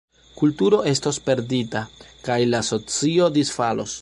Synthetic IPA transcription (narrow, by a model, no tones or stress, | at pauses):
kultuɾo̞e̞sto̞spe̞ɾditakajlaso̞t͡sio̞disfalo̰s